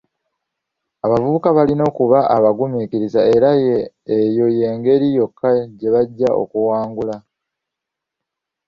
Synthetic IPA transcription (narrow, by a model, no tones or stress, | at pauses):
aβavuβukaβalino̞ːkuβaʔaβaɡumikiɾizae̞ɾajeː | jo̞je̞ːŋɡe̞ɾijo̞kʰːaɟe̞βaɟːao̞̰kuwaːŋɡula